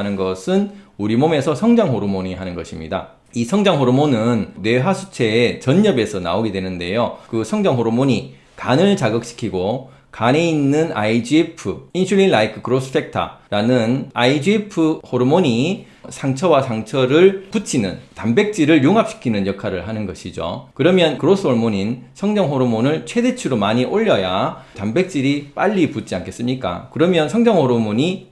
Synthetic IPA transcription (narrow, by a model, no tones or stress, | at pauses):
nɯnɡʌsʰɯnuɾimome̞sʰʌsʰʌŋd͡ʑaŋhoɾɯmoɲiɦanɯnɡʌɕʰimɲḭda̰ | isʰʌŋd͡ʑaŋɦoɾumonɯnne̞ɦasʰu̥t͡ɕʰe̞ːt͡ɕʌɲːʌbe̞sʰʌna̰oɡe̞dwe̞nɯnde̞jokɯsʰʌŋd͡ʑaŋɦoɾomoɲi | kanɯɭt͡ɕaɡʌk̚ɕ͈ʰi̥kʰiɡo | kane̞inːɯna̰id͡ʑipʰɯinɕʰuʎːinlaikʰɯkɯɾos͈ʰɯ̥pʰe̞k̚tʰa̰ɾanɯnaid͡ʑiipʰɯhoɾɯmoɲi | sʰaŋt͡ɕʰʌwasʰaŋt͡ɕʰʌɾɯɭput͡ɕʰinɯ̰ntambe̞k̚t͡ɕ͈iɾɯɭjoŋɦap̚ɕ͈i̥kʰinɯnjʌkʰaɾɯɭɦanɯnɡʌɕʰid͡ʑo̰kɯɾʌmjʌnkɯɾos͈ʰɯhoɭmoɲinsʰʌŋd͡ʑʌŋɦoɾɯmonɯɭt͡ɕʰwe̞de̞t͡ɕʰuɾomaɲiʔoʎːʌjatambe̞k̚t͡ɕ͈iɾip͈aʎːiput͡ɕ͈iankʰe̞s͈ɯmɲik͈a̰kɯɾʌmjʌnsʰʌŋd͡ʑʌŋhoɾɯmoɲi